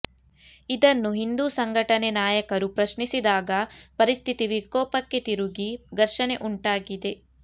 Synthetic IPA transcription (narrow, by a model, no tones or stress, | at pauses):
id̪ɐnːuɦind̪uːsɐŋɡʱɐʈɐnenaːjɐkɐɾupɾɐʃnisid̪aːɡɐpɐɾist̪ʰit̪iʋikɔːpɐkːe̞t̪iɾuɡiɡɐɾʃɐne̞ʔuɳʈaːɡid̪e̞